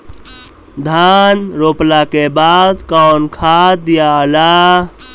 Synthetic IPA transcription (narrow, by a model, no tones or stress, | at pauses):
d̪ʱanɾoplakebad̪kawnkʰad̪ijala